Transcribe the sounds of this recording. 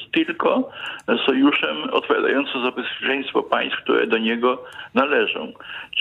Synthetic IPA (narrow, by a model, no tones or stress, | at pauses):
t̪ɘlkɔsɔjuʂɛmɔ̰t̪̚pɔvʲja̰d̪a̰jɔnt̪sɨ̃zabɛspʲjɛt͡ʂɛɲ̃st̪fɔpaj̃st̪fk̚t̪ṵɾɛ̰d̪ɔɲɛɡɔnalɛʐɔ̰̃w̃